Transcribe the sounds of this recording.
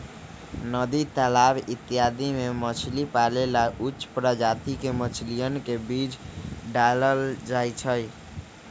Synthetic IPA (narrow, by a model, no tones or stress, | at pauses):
nəd̪it̪alabit̪ːijad̪imemət͡ʃʰlipalelautːʃpɾəd͡ʒat̪ikemət͡ʃʰlijənkebid͡ʒɖaləld͡ʒajt͡ʃʰəj